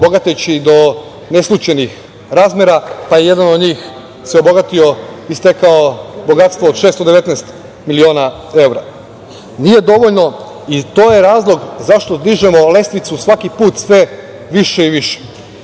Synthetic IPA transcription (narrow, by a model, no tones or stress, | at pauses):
oboɡat̪et͡ɕid̪o̞ | ne̞slˠut͡ɕenix | ɾaːzmʲeɾapaje̞je̞d̪ano̞d̪ɲiːx | seoboɡat̪io̞ist̪ekaobo̞ɡat̪st̪ʋoːd̪ʃeːst̪od̪eʋe̞t̪nɛst̪ | milio̞ːna | e̞wɾa | nije̞d̪o̞ʋoʎno̞ | it̪o̞ːjeɾaːzlˠo̞ɡzaʃt̪od̪liʒemo̞le̞st̪ʋit̪susʋakipuːt̪sʋe̞ | ʋiʃeiʋiʃe̥